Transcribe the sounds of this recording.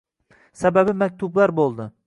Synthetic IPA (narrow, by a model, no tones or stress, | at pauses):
sababɪmak̚ʲt̪ʰʊblaɾbolˠd̪ɪ